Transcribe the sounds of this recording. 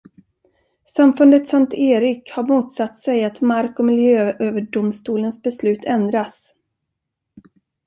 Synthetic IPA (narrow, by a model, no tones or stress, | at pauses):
samfɵnd̪ət̪sant̪eːɾɪkhaɾmuːt̪sat̪ːsɛjat̪maɾkɔmɪljøːøːvəɖʊmst̪uːlənsbɛslʉ̟ːt̪ʰɛnd̪ɾas